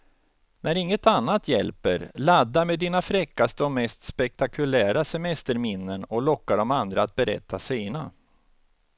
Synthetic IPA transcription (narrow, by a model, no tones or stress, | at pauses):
nʔæɾɪŋːət̪anːat̪ʰjɛ̰lpə̰ɾlad̪ːaɾmeːd̪ːiːnafɾɛkːast̪əɔmɛst̪spɛk̚t̪akɵlæːɾasɛmɛst̪əɾmɪnːənɔlɔkːaɖɔmand̪ɾaat̪̚bɛɾɛ̰t̪ʰːasiːna